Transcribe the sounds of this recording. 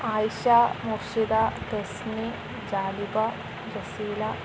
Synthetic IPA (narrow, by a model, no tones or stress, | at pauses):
aːjʃamuɾʃid̪at̪esni | d͡ʑaːlibɐ | ɾɐsiːlɐ